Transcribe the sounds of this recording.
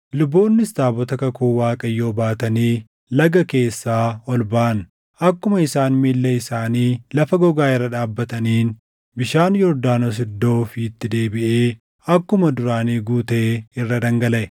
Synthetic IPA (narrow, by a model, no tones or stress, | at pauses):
lʊbːo̞ːnːɪst̪aːbɔt̪ɐkɐkuːwaːkʼɐjːo̞ːbaːt̪ɐniː | lɐɡɐke̞ːsːaːɔlbaːʔɐn | ʔɐkːʊmɐɪsaːnmiːlːɐɪsaːniːlɐfɐɡɔɡaːɪrːɐᶑaːbːɐt̪ɐniːn | bɪʃaːnjɔɾd̪aːnos̬ɪd̪ːo̞ːfɪːt̪ːɪd̪e̞ːbɪʔeː | ɐkːʊmɐd̪ʊɾaːniːɡuːt̪e̞ːɪrːɐd̪ɐŋɡɐlɐʔɛ